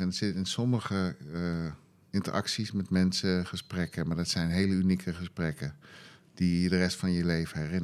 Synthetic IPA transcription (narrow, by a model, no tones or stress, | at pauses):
ɛndɑtsɪtɪnsɔməχə | ɪntə̰ɹʔɑ̰ksismɛtmɛnsəχəsprɛkəmaːɹdɑtsɛjnɦejləynikʰəχəsprɛkə | d̥ijədərɛstfɑnjəlejvəɦɛrɪn